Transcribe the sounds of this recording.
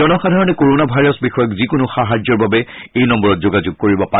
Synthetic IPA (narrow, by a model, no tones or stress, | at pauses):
ɔnɔxadʱaɹɔnɛkoɹonabʱajɹɔsbixɔjɔkzikʊnʊxaɦad͡ʒɔɹbabɛejnɔmbɔɹɔtzoɡazʊɡ̚koɹibɔpa